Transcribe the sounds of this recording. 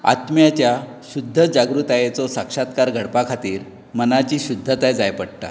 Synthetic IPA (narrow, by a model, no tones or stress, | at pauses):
a̰t̪mjat͡ɕjaɕud̪ʱːəd͡zaɡɾut̪ajet͡sɔsakʂat̪kaɾɡʱəɽpakʰat̪iːɾ | mənat͡ɕiːɕud̪ʱːət̪ajd͡zajpəɽʈa̰